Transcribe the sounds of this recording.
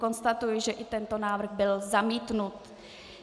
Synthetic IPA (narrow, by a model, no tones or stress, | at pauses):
ko̞nst̪at̪ujɪʒɛʔɪt̪ɛnt̪o̞naːvr̩ɣbɪlzamiːt̪nut̪